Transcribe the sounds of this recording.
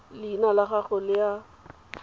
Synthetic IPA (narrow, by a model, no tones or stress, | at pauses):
lɪinalaχaχɔlɪa